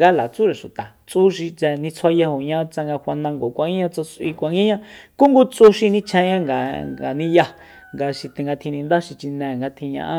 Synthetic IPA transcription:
ɡa˦la˨t͡su˦ɾe˨ʃu˨t̪a˨t͡su˦ʃi˧t͡sɛ˧nĩ˧t͡sʰwa˦ja˧ho˨ɲã˦t͡sa˧ŋɡa˧hʷa˧nã˧ŋɡo˨kʷã˧ŋĩ˦ɲã˧t͡so˧t͡sʔi˧kʷa˧ŋɡi˦ɲã˦ku˦ŋɡu˦t͡su˦ʃi˧nĩ˦t͡ʃʰẽ˧ɲã˦ŋɡa̰˨a˨nĩ˦ja˧ | ŋɡa˧ʃi˧t̪ẽ˨ŋɡa˧t̪ʰĩ˧nĩ˧nd̪a˦ʃi˧t͡ʃi˧nɛ̃˨ŋɡa˧t̪ʰĩ˧ɲã̰˧ʔa˦

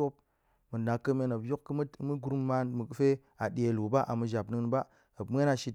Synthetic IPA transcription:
o˦p̚ | mɨ˨na˨kːə˦me˧nə˨pjo˦kkːə˦m˦mɨ˦ɡɾu˦mːa˧nmɨ˨kfe˦ | a˨ɗe˨lu˨ba˦ʔa̰˨mɨ˨ʒa˨pnɨ˨˦n˨ba˦ | ə˨bmʷ˦e˦na˨ʃi˧

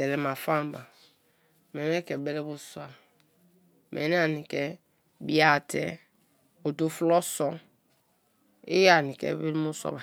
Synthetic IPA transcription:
ɛ˨ɾɛ˨ma˨fa˦m˨ba˨ | me˨n˦ɛ˦kɛ˨bɛ˦ɾɛ˦bu˦su˦a˨ | mʔe˨n˦a˨ni˨kɛ˨ | bi˦a˦˨tɛ̰˦ | o˨do˦flɔ˦sɔ˦ | ḭ˦ja˦˨ni˨kɛ̰˨bi˦ɾmu˦sɔ̰˦ba˨

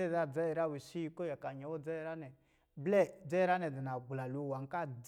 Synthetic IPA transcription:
ɛ˦˨a˦d͡zɛ˦˨ɾa˦we˨ʃi˦ji˧ko˦ja˨ka˨ɲɛ˨˦wɔ˦d͡zɛ˦˨ɾa˦nɛ˨ | blɛ˦˨d͡zɛ˦ɾa˦nɛ˨di˨na˨ɡ͡bla˨lo˨wa˨ŋ˦ka˦˨d

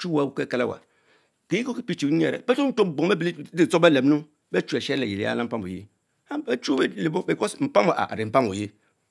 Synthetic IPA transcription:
t͡ʃu˦wa˨˦˨wu˦ke˦ka˦la˦wa̰˨ | ke˨˦i˦ko˦ki˦pi˦t͡ʃi˨˦ni˦i˦e˨ɾḛ˨be˦to˦n̩˦o˦˨bŋ˦e˦bli˦di˦˨t͡so˦be˦le˨bnu˦ | be˦t͡ʃu˦e˨ʃe˦e˨ji˨lḭ˦a̰˦la˦m̩˦pa˦mo˨jḛ˦ | a˦be˦t͡ʃu˦be˦le˨bo˦bi˨ko˦sm̩˨pa˦mo˨ʔa̰˨ɾi˨m̩˨pa˦m˨o˨je˦

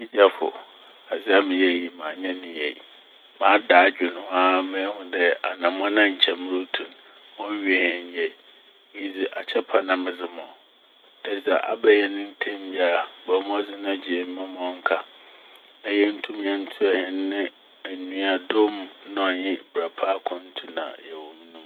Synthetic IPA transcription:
i˦d͡ʑa˦fʊ̰˨ | a˨zɪ˦a˦mɪ̃˨jɛ˦˨ji˨mãː˨ɲɛ̃˦nɪ̃˨jɛ˨ | mã˨˦daː˨˦d͡ʑᶣɪ˨nʊ̃˨˦a˦mɪ̃˦hʊ̃˨dɛ˦a˨nã˨m˦ã˦nã˦ɲ̩˨t͡ɕʰɛ˨m˦ɾo˦tʰũ˨n | mɔ̃˦ɥi˦ɛ˨hɛ̃˨ɲ˦jɛ˨˦ | ji˦d͡zi˨ʔa˨t͡ɕʰɛ˦pʰa˨nã˨mɪ̃˨d͡zɪ˦mɔ̃˨ | d̥ɛ˦sa˨ʔa̰˨bɛ˦jɛ˦nɪ̃˦n˦tʰẽ˦mja˨ɾa˨bɔ˨˦m˦ɔ̃˦d͡zɪ˦nã˦d͡ʑi˨e˨m˦mɪ̃˦mɔ̃˨˦ŋ̩˦kʰa˨ | ɛ˦jɛ˦n̩˦tʰũ˦m˦ɲã˦n̩˦tʰʊ˦ɛ˨hɪ̃˨nnɪ̃˦ | æ˨nũ˦a˨dʊ˦mnʊ̃˦a˨ɲɪ̃˦bɾa˨pʰa˦kʰʊ̃˦n̩˦tʰu˦nã̰˨jɛ˨wɔ̃˨m˦nũ˦

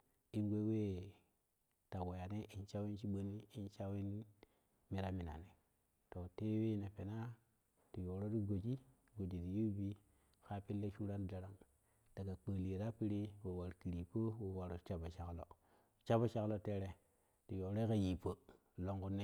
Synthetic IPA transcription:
i˦nɡʷe˦we˦ | ta˨wo˨ja˨ne˦ʔi˨nt͡ʃa˦wi˦nt͡ʃi˦ɓo˦niː˦nt͡ʃa˦wi˦n | mi˨ɾa˦mi˨na̰˨ne˨ | to˨te˦we˦˨ne˨pe˨na˦ | ti˨jo˨ɾo˦ɾi˦ɡo˨d͡ʒi˦ | ɡo˨d͡ʒi˨ti˨ju˦bi˦˨ | ka˦pi˦lːe˦ʃu˦ɾa˦n˦da˨ɾa˦ŋ | d̥a˨ɡa˨k͡pə˨li˨ɾa˦pi˦ɾi˦wo˨wa˨ɾki˨ɾi˨po˦wo˨wa˨ɾo˨t͡ʃa˦ba˨t͡ʃa˨˦klo̰˨ | t͡ʃa˦ba˦t͡ʃa˦klo˦te˦ɾe˨ | ti˨jo˨ɾo˦ka˨ji˨pə˦ | lo˦ŋɡu˦nːe˦

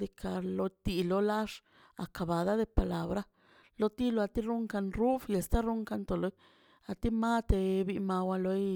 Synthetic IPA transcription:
d̪i˧kʰa˧lo˧t̪i˧lo˧la˦ʂ | a̰˨ka˨ba˨d̪a˦d̪e˧pa˨la˧bɾa˦ | lo˧t̪i˦lo˧a˧t̪i˦ɾu˦ŋka˧nɾu˦fje˨st̪a˦ɾu˦ŋka˧nt̪o˨lo˧j | a˧t̪i˦ma˦t̪e˧bi˧ma˧wa˧lo˧˦

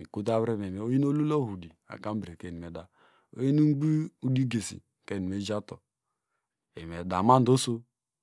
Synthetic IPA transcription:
mi˨ku˦ta˦bɾe˦me˨me˨o˦ji˦no˦lu˦lo˦ɦu˨di˨a̰˨ka˦m̩˦bɾe˨ke˦˨i˨me˨da˨ | o̰˦ji˦nu˦ɡ͡bi˦u˦di˦ɡe˨sḭ˨ | ke˦˨ni˨me˦d͡ʒa˦tɔ˨ | ḛ˨e˨da˨ma˦n̩˨˦o˦so˦

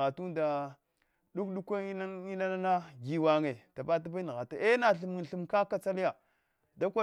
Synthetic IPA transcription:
ɣa˨tu˦nda˨ | ɗu˦kɗu˦kʷa˦i˦a˦i˦na˦a˦na˦ɡi˨wa˨ŋe˨ta˨ba˦t̬a˦ba˦n˨ɣa˨ta˨e˦na˨ɬi˨m˨ɬu˨mka˦ka˦t͡sa˦li˦ja˨ | da˦kʷa˦

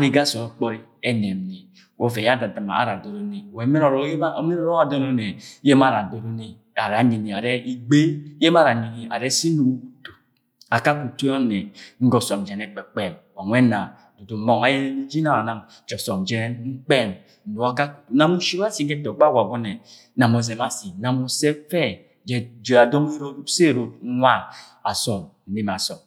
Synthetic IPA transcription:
a˦ɾi˦ɡa˦sɔ˨˦k͡pɔ˦ɾi˦ɛ˦nɛ˨m˨ni˨ | wo˦ve˨ja˦da˨da˨ma̰˨a̰˨ɾa˨do˨ɾo˨ni˨wɛ˨˦me˦ɾɔ˨ɾme˦nɔ˦ɾɔ˦a˨do˦no˦ne˨je˦ma˨ɾa˨do˨ɾo˦ni˨ | a˨ɾa˨ɲi˨ni˨a˨ɾɛ˦i˨ɡ͡be˦je˦m˦a˦ɾa˨ɲi˨ni˨a̰˨ɾɛ˦si˦nu˨˦u˨to˨ | a˨ka˦ku˨tu˦ɔ˦nɛ˨ŋ̩˦ɡɔ˨sɔ˨md͡ʒɛ˨nɛ˨k͡pɛ˨k͡pɛ˨mwa˨nʷwɛ˦na˨ | do˨to˨mɔ˦ŋa˨˦jɛ˦nɛ˦ni˦d͡ʒi˦na˦˨ɾa˨na˨m | d͡ʒɔ˨sɔ˨md͡ʒɛ˦nŋ͡m̩˦k͡pɛ˦˨m̩˨ | u˨a˦ka˦ku̥˨tu˨˦na˦mu˦ʃi˦wa˦si˨˦ɡɛ˦tɔ˨˦ɡ͡ba˦˨wa˨bɔ˦nɛ˨ | na˨mɔ˨zɛ˨ma˦si˨na˨mo˨sɛ˦fɛ˦ | d͡ʒɛ˨d͡ʒe˨a˨dɔ˦m˦i˦ɾo˦se˦˨ɾo˨˦a˦ | a˨sɔ˨mn̩˨ni˦m˨a˨sɔ˨m

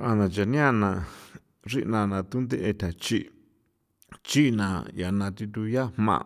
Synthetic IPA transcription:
a˧nã˧t͡ʃa˨nĩ˦ã˦˧nã˧ | ʐi˦ʔnã˧nã˧t̪u˦nd̪e˦ʔe˧t̪ʰʲa˨t͡ʃi˦ | t͡ʃi˦˧nã˧ja˨nã˧t̪i˧t̪̬u˧ja˦hmã̰˧˨˧

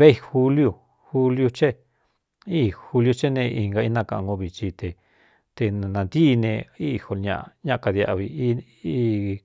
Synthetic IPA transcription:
βe˦i˧xu˧lju˧ | hu˧lju˧t͡ʃe˦ | i˦xu˧lju˧t͡ʃe˦nẽ˧i˧ŋɡa˧i˦nã˦˧˨kã˧˨˧ŋɡõ˧βi˨t͡ʃi˧t̪e˧ | t̪e˧n˨nã˧nd̪i˦˧nẽ˧i˦˧ho˧lɲã̰˧ʔɲã˦˧ka˧ðja̰˧ʔβi˧i˦˧˦

